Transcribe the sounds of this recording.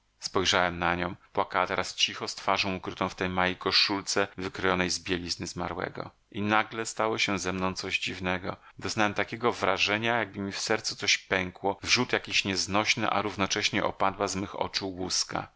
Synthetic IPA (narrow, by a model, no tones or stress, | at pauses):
spɔjʐawɛmnaɲɔ̃w̃pwakawat̪ɛɾast͡ɕixɔst̪faʐɔ̃w̃ukɾɘt̪ɔ̃w̃ft̪ɛjmajikɔʂult̪sɛvɘkɾɔjɔnɛjzbʲjelʲiznɘzma̰ɾwɛ̰ɡɔ̰ | ʔinaɡlɛst̪awɔɕɛzɛmnɔ̃w̃t̪sɔʑd͡ʑivnɛɡɔ | d̪ɔznawɛmt̪akʲɛɡɔvɾaʐɛɲajaɡ̚bɘmʲifsɛɾt̪sut̪sɔɕpɛŋkwɔvʐut̪jakʲiɕɲɛznɔɕnɘ̰ʔa̰ɾuvnɔt͡ʂɛɕɲɛʔɔ̰pad̪wazmɘxɔ̰t͡ʂuwuska̰